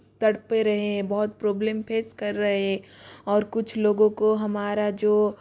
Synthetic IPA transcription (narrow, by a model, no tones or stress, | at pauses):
t̪ɐɽpeɾɐɦeɦɛ̃bɐɦʊt̪̚pɾoːbleːmpʰeːskɐɾːɐɦɦɛ̃ɔːɾkʊt͡ʃʰloːɡõkoɦɐmaːɾad͡ʒoː